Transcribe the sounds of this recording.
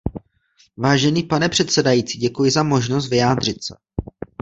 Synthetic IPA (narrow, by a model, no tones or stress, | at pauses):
vaːʒɛniːpanɛpr̥ɛt̪sɛdajiːt͡siːɟɛkujɪzamo̞ʒnos̬t̪vɪjaːd̪r̝ɪt̪sɛ̰